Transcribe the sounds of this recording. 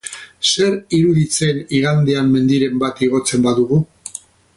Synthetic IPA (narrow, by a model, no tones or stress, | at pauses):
se̞ɾiɾuðit͡se̞niɣand̪eamːe̞nd̪iɾe̞mbat̪iɣ̞o̞t͡se̞mbaðuɣu